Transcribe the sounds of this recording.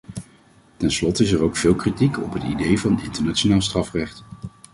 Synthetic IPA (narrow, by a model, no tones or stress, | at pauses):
tɛnslɔtəɪs̬ɛɹowkfɪːlˠkritikɔpɦətḭdejvɑnɪ̰ntəɹnaːt͡ʃonaːlˠstrɑfrɛχt